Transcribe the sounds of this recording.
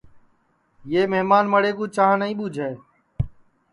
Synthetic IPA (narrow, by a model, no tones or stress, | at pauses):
jeːmeɦmaːnməɽeːkũːt͡ʃaːnəĩːɓuːd͡ʒʱeː